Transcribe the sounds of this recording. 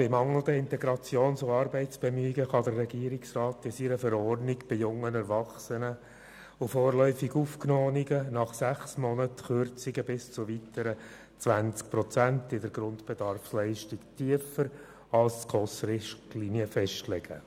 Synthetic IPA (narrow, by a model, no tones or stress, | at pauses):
b̥ɪmɑŋəl̩ˠdəɪntɛɡɾɑt͡sjoːnsʊɑːɾbɛɪtt͡sb̥ɛmyɪɡəχɑd̪ərːɛɡiəɾɪksrɑːtɪsiɾəfəɾɔrdnɪɡb̥ɪjʊŋənɛɾvɑχsənə | ʊfɔːrlœʏfiɡufknɔːniɡənɑχsæχsmɔnətχʏrt͡sɪɡəbɪst͡sʊʋitəɾə | t͡sʋænt͡sk̚pɾɔt͡sænt̪ɪdəɾɡɾʊnd̪b̥ɛd̥ɑrfslɛɪʃtɪktʰiəfəɾ | ɑlskʁɔsrɪʃliniəfɛʃtlɛɡ̥ə̰